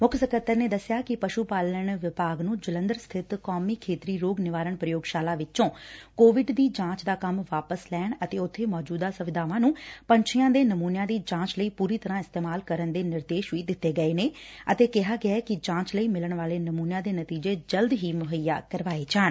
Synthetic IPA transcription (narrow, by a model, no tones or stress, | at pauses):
mʊkʰsəkət̪ːəɾneːd̪əsːɪjaːkɪpəʃuːpaːləɳ̃ʋɪpaːɡnũːd͡ʒələ̃nd̪əɾst̪ʰɪt̪kɔːmiːkʰeːt̪ɾiːɾoːɡnɪʋaːɾəɳpɾəjoːɡʃaːlaːʋɪtõːkoːʋɪɖd̪iːd͡ʒãːt͡ʃd̪aːkəmʋaːpəslɛːɳət̪eːʊt̪ʰːeːmɔːd͡ʒuːd̪aːsəʋɪd̪aːʋãːnũːpəɲt͡ʃʰɪjãːd̪eːnəmuːnjãːd̪iːd͡ʒãːt͡ʃləiːpuːɾiːt̪əɾãːɪst̪eːmaːlkəɾənd̪eːnɪɾd̪eːʃʋiːd̪ɪt̪ːeːɡəeːneːət̪eːkɪɦaːɡɪaːkɪd͡ʒãːt͡ʃləiːmɪləɳʋaːleːnəmuːnjãːd̪eːnət̪iːd͡ʒeːd͡ʒəld̪ɦiːmʊɦəja̰ːkəɾʋaːeːd͡ʒaːɳ